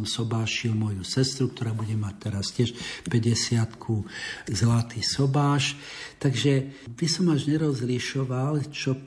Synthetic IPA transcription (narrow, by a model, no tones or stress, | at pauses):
msɔbaːʃilmɔjusɛst̪ɾuk̚t̪ɔɾaːbuɟɛmac̚t̪ɛɾascɪɛʃpɛɟɛsɪat̪kʰuzlat̪iːsɔbaːʃ | t̪aɡʒɛʋisɔmaʒɲɛɾɔzliʃɔʋalt͡ʃɔ